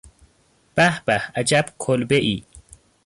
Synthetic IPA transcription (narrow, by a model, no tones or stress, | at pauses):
b̥æhb̥æhæd͡ʒæbkʰolbeʔi